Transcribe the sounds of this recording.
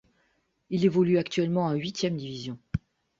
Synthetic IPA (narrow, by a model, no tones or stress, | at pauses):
ilevɔlyakt̪ɥɛlmɑ̃ɛ̃ɥit̪jɛmd̪ivizjɔ̃